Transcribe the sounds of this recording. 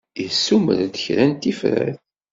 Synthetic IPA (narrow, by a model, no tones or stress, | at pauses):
isːumə̰ɾd̪əçɾænt̪ifɾæ̰θ